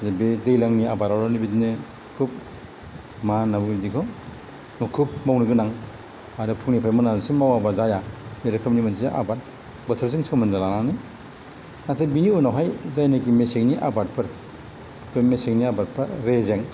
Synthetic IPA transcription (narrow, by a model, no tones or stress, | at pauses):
zebedejlaŋniabaɾawɾɔnibitnɯ | kʰup̚ | manːabuɡbidikʰɔ | nɔkʰup̚mawniɡɯnaŋ | aɾɯpʰuknipʰajmɯnasimawabazajameɾɯkʰɯmnimanʰzeʔa̰bat̚ | bɐtʰɯɾzɯŋsɯwmɯndalananɯj | natʰabinionawɦajzajnak̬imeseŋniʔabat̚pʰɯɾ | bemeseŋniabat̚pʰɯɾɾezeŋ